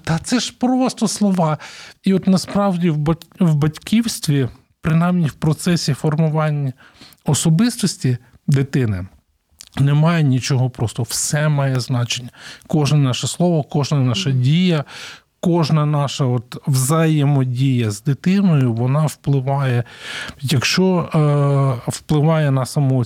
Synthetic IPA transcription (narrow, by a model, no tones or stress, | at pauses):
t̪ɐt̪sɛʒpɾɔst̪ɔslˠɔʋɑiɔt̪nɐspɾɑwdʲiwbɐwbɐtʲkʰʲiwsʲt̪ʲʋʲi | pɾɪnɑjmnʲiwpɾɔt̪sɛsʲifɔrmʊʋɑnʲːɐ | ɔsɔbɪst̪ɔsʲtʲi | d̪ɪt̪ɪnɪ | nɛmɑjɛnʲit͡ʃɔɦɔpɾɔst̪ɔwsɛmɑjɛznɑt͡ʃenʲːɐkɔʒnɐnɑʃɐslˠɔʋɔkɔʒnɐnɑʃɐdʲijɐ | kɔʒnɐnɑʃɐɔt̪wzɐjɛmɔdʲijɐzd̪ɪt̪ɪnɔjʊʋɔnɑwplˠɪʋɑjɛjɐkʃt͡ʃɔ | wplˠɪʋɑjɛnɐsɐmɔ